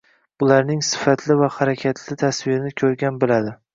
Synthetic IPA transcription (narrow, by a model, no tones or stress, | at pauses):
bʊlaɾnɪŋsɪ̥fat̪ʰlɪvahaɾakʲʰat̪ʰlɪt̪ʰasvɪɾɪnɪkʲʰɵɾɡʲanbɪlad̪ɪ